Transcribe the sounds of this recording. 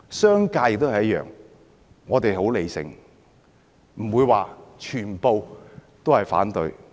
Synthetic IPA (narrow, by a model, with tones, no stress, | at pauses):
sœː˥ŋkaː˧jk̚t̪hjɐ˥t̚jœ̰ː˨˩ŋ | ŋɔː˨˧t̪e˨jho˨˥wle˨jsɪ̰˨˩ŋ | m̩˨˩wuː˨˧jwaː˨t͡ʃʰyː˨˩npo˨˧wt̪o˥whɐ˨jfa̰ː˨˥nt̪ɵ˧ɥ